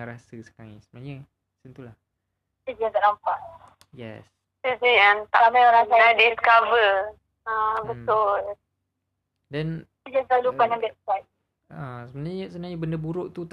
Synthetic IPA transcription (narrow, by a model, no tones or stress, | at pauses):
ɾasəsə̥kalisəbənaɲə | sənt̪ulah | tid͡ʒat̪aʔnampaʔ | jɛ̰s | ɛsejant̪a̰ʔamaoɾaŋsaɾadiskavə | abət̪ʊl | dɛn | id͡ʒasalupanãmbɛt̪̚pɔjt̚ | asəbənaɲəsənaɲəbəndəbuɾʊʔt̪ut̪